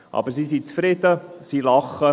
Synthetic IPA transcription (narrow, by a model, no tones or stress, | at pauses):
ʔɑ̰bəɾsisint͡sfɾɪd̥̪əsilɑχə